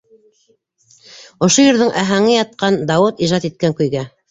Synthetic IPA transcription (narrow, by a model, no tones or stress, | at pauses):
ŏʃojɵ̆ɾðɤɴʔæɦæŋɘjɑt̪̚qɑnd̪ɑwɤt̪iʒɑt̪it̪̚kæŋkɵ̆jɡæ